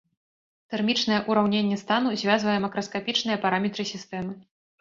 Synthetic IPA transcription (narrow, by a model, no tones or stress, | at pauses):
t̪ɛrmʲit͡ʂnɐjɛʔuɾawnʲenʲːɛst̪an̪uzʲvʲazvɐjɛmɐkɾɐskapʲit͡ʂnɨjɐpaɾamʲɛt̪ɾɨsʲist̪ɛmɨ